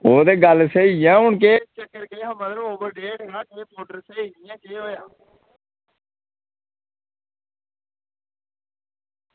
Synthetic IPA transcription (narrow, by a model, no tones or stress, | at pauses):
oːd̪eːɡəlseiãːɦʊɳkeːt͡ʃəkːəɾkeːɦãːmət̪ɾəboːbəɾɖeːʈãːkẽːpoːʈəɾseiːniãːkeːɦoːjaː